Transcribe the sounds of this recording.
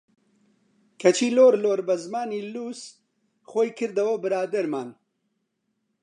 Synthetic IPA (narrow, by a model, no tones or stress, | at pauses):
kʰɐt͡ʃʰiːloːɾloːɾbɐzmaːniːluːs | xoːjkʰɨɾd̪ɐwɐbɨɾaːd̪ɐɾmaːn